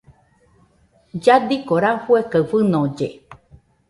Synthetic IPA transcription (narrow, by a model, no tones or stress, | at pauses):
d͡ʒad̪ikoɾafuekəfɨnõd͡ʒe